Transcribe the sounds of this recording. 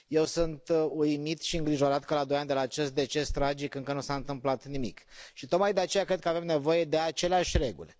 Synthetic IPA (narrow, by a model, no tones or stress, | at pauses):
je̞wsunt̪ujmit̪ʃiɨŋɡɾiʒo̞ɾat̪kəlad̪o̞jand̪e̞laːt͡ʃe̞st̪̚d̪e̞t͡ʃe̞st̪ɾad͡ʒikɨŋkənusaɨnt̪ɨmplat̪nimḭkʃit̪o̞t̪̚majd̪eat͡ʃe̞jakɾed̪kəave̞mne̞vo̞je̞d̪e̞at͡ʃe̞leaʃʲɾe̞ɡṵle